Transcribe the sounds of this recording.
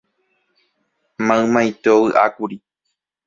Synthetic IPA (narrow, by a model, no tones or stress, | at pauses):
mãɨ̃mãjt̪eowɨʔakuɾi